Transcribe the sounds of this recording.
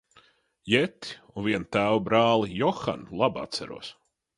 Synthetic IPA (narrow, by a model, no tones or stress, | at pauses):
jɛt̪i̥unvʲiɛnt̪æːwbɾaːlˠijɔxa̰nlˠaba̰t̪sæ̰ɾṵɔs